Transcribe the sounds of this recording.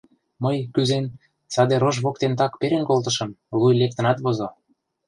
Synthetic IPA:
məjkyzen | t͡sɑd̪eɾoʒβok̚t̪ent̪̬ɑkpeɾenkolt̪ə̆ʃɤ̆mlujlek̚t̪ə̆nɑt̪βozo

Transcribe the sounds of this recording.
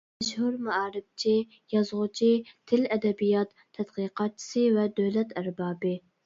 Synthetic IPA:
ɛʃhuɾmæɑːɾɪb̚t͡ʃʰi | jɑzʁʊt͡ʃʰit̪ʰɪlɛd̪ɛbijɑt̪ʰːɛd̪qiːqɑt̪̚t͡ʃʰi̥sɨvɛd̪øwlɛt̪æɾbɑːbɪ

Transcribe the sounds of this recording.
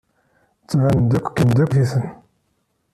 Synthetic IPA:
t͡sːʕand̪ækʷːkːənd̪ækθiθən

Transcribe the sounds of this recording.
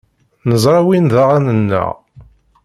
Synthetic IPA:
nəzˤɾˤɑwinðaʁænənːə̰ʁ

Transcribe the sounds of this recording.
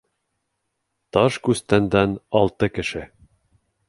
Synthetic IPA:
t̪ɑʃkʉst̪ænd̪ænɒlˠt̪ɤkɘ̆ʃɘ

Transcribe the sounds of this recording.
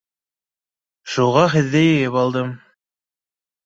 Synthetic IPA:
ʃuʁɑɦɘ̆ðːɘjɘ̆jɘpɑlˠd̪ɤm

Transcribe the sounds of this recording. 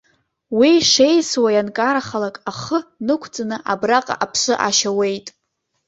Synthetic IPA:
wiʂe̞jswajankʼaɾaχalakʼaχənɨkʷʰt͡sʼanɨʔabraqʼa̰ʔapʰʂɨʔaʃawe̞jtʼ

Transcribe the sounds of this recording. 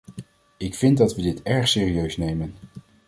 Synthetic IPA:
ɪkfɪndɑtʋədɪtɛɹχsɪːriøɥsnejmən

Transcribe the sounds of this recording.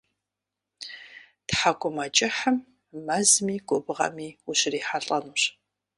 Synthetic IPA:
tħakʷʼʊmɐt͡ʃʼɪħəmː | ɐzmiːɡʷʼɔbʁɐ̰miːuɕɪriːħaɬʼɐnuːɕ

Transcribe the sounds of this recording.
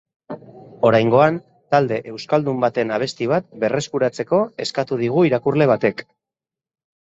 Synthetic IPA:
o̞ɾajŋɡo̞an | t̪ald̪e̞ʔewskald̪umbat̪e̞naβ̞e̞st̪iβ̞at̪̚be̞re̞skuɾat͡se̞ko̞e̞skat̪uð̞iɣ̞uiɾakurle̞β̞at̪e̞k

